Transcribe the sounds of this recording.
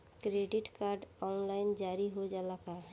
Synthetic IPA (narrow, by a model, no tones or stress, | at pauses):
kɾeɖiʈkaɾɖɔnlaɪnd͡ʒaɾiɦod͡ʒalaka